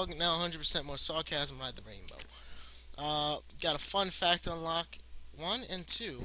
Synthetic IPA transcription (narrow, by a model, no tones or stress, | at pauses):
ɡnaʊəhʌ̃ndɹəd̚pʰə˞sɛ̃nmɔɹsɑɹkʰæz̃m̩aɪd̪̚ðəɹẽɪ̃nbo̰ʊ | ʔʌɡ̥ɑɾəfʌ̃nfæk̚tə̃nlɑkwʌ̃nɨ̃ntʰʉ